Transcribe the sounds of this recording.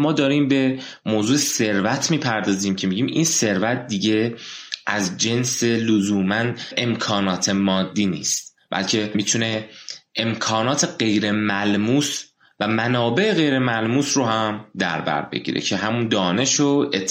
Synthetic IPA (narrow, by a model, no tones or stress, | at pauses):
mɒːd̪ɒːɾiːmbe̞ | moːzuːese̞ɾvæt̪ʰmiːpʰæɾd̪ɒːziːmcʰe̞miɟiːmʔḭnse̞ɾvæt̪̚ʰd̪iɟe̞ʔæzd͡ʒe̞nse̞lozuːmænʔemkʰɒːnɒːt̪ʰe̞mɒːd̪ːiːnḭːst̪̚ | b̥æ̰lcʰe̞miːt̪ʰune̞ʔemkʰɒːnɒːt̪ʰe̞ɢejɾe̞mælmuːs | væmænɒːbe̞ʔeɣe̞jɾe̞mælmuːsɾoɦæmd̪æ̰ɾbæ̰ɾbe̞̰ɟḭɾḛcʰe̞ɦæmund̪ɒːne̞ʃoet̪ʰː